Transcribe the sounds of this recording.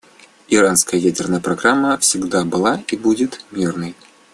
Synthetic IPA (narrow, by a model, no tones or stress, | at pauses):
ɪɾanskəjəjædʲɪrnəjəpɾɐɡɾamːəfsʲɪɡd̪abɨlˠaibudʲɪt̪mʲirnɨj